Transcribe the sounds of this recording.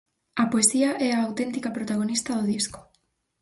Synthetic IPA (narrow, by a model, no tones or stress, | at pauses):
apoesiaʔeaːwt̪e̞nt̪ikapɾot̪aɣ̞o̞nist̪aðoð̞isko̥